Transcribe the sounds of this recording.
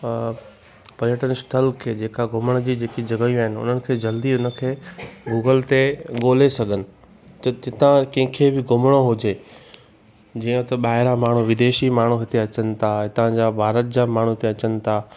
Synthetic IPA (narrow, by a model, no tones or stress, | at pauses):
pɐɾɪjəʈənsʈəlkʰeːd͡ʑeːkaɡʱʊməɽ̃d͡ʑiːd͡ʑeːkid͡ʑɐɡəijũaːɦɪnɪʊ̰n̤ənɪ̆kʰeːd͡ʑɐld̪iʊnə̆kʰeːɡuːɡəlt̪eɠoːlesɐɡʱənɪ̆ | ɪt̪ãkɐ̃ɦɪ̃kʰebɪɡʱʊməɽ̃oɦʊd͡ʑeː | d͡ʑĩːə̃t̪ɐɓaːɦɪɾamaːɳ̤uʋɪd̪eːʃimaːɳ̤uɦɪt̪eɐt͡ɕənɪ̆t̪ʰaɦɪ̃t̪ɐãd͡ʑaːbʱaːɾət̪̚d͡ʑamaːɳ̤uɪt̪eɐt͡ɕənɪ̆t̪ʰaː